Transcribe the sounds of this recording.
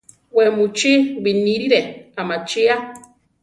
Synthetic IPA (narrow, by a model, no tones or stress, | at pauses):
wemut͡ʃiwiniɾiɾeamat͡ʃia